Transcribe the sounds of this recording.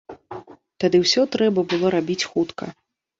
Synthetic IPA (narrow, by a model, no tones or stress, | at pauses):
t̪ad̪ɨwsʲɔt̪ɾɛbɐbɨlˠɔɾabʲit͡sʲxut̪kɐ̰